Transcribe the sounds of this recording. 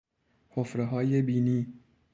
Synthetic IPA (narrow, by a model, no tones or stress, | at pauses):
hʰofɾeɦɒːjebiːniː